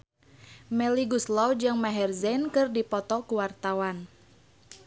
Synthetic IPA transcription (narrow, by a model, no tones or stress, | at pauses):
mɛliɡuslɔwd͡ʒɨŋmaɦɛrzɛnkɨrdipɔt̪ɔkuwart̪awan